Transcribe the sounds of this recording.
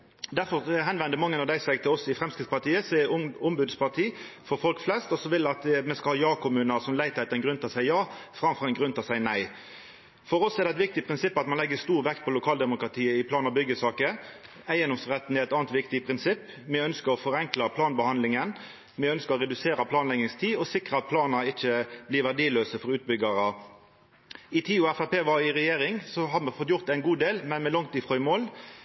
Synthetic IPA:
d̪æfɔʁɛɦɛnʋɛnd̪əmɑŋːənɑʋd̪æɪsɛɡt̪ʰɪlɔsɪfʁɛmskɾɪt̪spɑt̪ʰiːəsɛʊmbʉd̪spʰɑʁt̪ʰiːfɔɾfɔlkflɛst̪ɔsɔʋɪlɑt̪mɛskɑhɑːjɑːkʊmʉːnəʁsɔmlæɪt̪ʰæɪt̪ɛnɡɾʉnt̪ɑsæɪjɑːfɾɑmfʁɑɛɪnɡɾʉnt̪ɑsæɪnæɪ | fɔʁɔsɛʁd̪ɛæt̪ʋɪkt̪ɪpʰɾɪnsɪpːɑt̪mɑnlɛɡːəst̪uːʁʋɛkt̪̚pʰɔlʊkʰɑːld̪ɛmʊkʁɑt̪ʰiːəɪpʰlɑːnɑʋbʏɡːəsɑːkə | æɪjɛnɔmsʁɛt̪ːn̩ɛɾɛt̪ɑːnt̪ʋɪkt̪ɪpʰʁɪnsɪpː | mɪœnskəɾɔfɔʁɛŋkləpʰlɑːnbəhɑnd̪lɪŋən | mɪœnskəʁɔʁɛd̪ʉseːɾəpʰlɑːnlɛɡnɪŋst̪ʰiːɔsɪkɾəɑt̪̚pʰlɑːnɑɪt͡ʃːəbliːɾʋæʁɖiːløːsəfɔɾʉːt̪̚bʏɡɑɾə | ɪt̪ʰiːʊɛfæpeːʋɑɪʁɛjeːɾɪŋsɔɦɑmɛfɔt̪ːjʊʁt̪æɪnɡuːd̪eːlmɛnmɛlɔŋt̪iːfʁɔʏmoːl

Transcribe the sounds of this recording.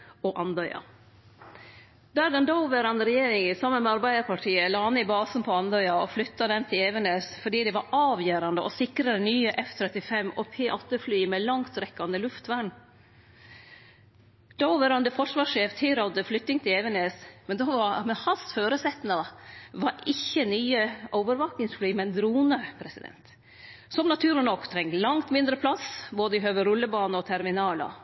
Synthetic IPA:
ɔʔɑnd̪œʏɑ̰ | d̪ædɑnd̪ɑʊʋəɾɑnɾɛjeːɾɪŋəsɑmːənmɛɑɾbæɪd̪əɾpʰɑʈʰiːəlɑːɑnːɪbɑːsn̩pʰɔɑnd̪œʏɑɔflʏt̪ːɑd̪ɛnt̪ʰɪlɛʋəneːsfɔɖiːd̪ɛʋɑɾʔɑːʋjøːɾɑnd̪əʔɔsɪkɾɑd̪ənyːəʔɛft̪ʰɾɛt̪ɪfɛmːɔpʰeːʔɑt̪ːəflyːmɛlɑŋt̪ɾɛkːɑnd̪əlʉft̪ʋæɳ | d̪̥ɔʋəɾɑnd̪əfɔʂʋɑːʂeːft̪ʰɪlɾɔd̪əflʏt̪ːɪŋt̪ʰɪlɛʋəneːsmɛnd̪ɑʋɑmɛhɑsføːɾəsɛt̪nɑʋɑɾɪçːənyːəʔɔʊʋəɾʋɑːknɪŋsflyːmɛnd̪ɾuːnəpʰɾɛsɪd̪ɛ̰nt̪ | sɔmnɑt̪ʰʉːɾɭnɔkt̪ʰɾɛŋlɑŋt̪mɪnd̪ɾəpʰlɑsboːd̪əɪɦøːʋəɾʉlːəbɑːnəɔt̪ʰæɾmɪnɑːlə̰

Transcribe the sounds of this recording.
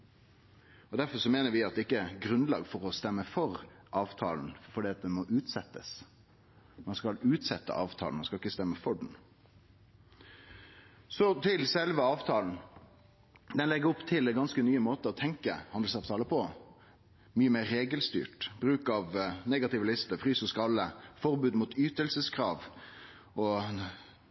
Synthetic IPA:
ɔd̪æɾfɔɾʂɔmeːnəɾʋɪɑt̪̚ɛɪkːəɡɾʉnlɑ̰ːɡfɔɾɔst̪ɛmːəfɔɾ | ʔɑːʋt̪ʰɑ̰ːln̩fɔɖiːɑt̪̚d̪ɛnmɔʔʉːt̪sɛt̪ːəs | mɑnskɑlʉːt̪sɛt̪ːə̰ʔɑːʋt̪ʰɑ̰ːlnmɑnskɑlɪkːəst̪ɛmːəfɔɖɳ̩ | sɔt̪ʰɪlsɛlʋəɑːʋt̪ʰɑːln̩ | d̪ɛnlɛɡəɾɔpt̪ʰɪlɛɡɑnskənyːəmoːt̪əɔt̪ʰɛŋkə̰hɑnd̪l̩sɑːʋt̪ʰɑːləpʰɔ | myːəmeːɾːeːɡəlst̪y̰ːʈbɾʉːkɑʋneːɡɑt̪ɪʋəlɪst̪əfɾyːsɔskɑlːəfɔʁbʉːd̪muːt̪yːt̪əlsəskʰɾɑːʋ | ɔ

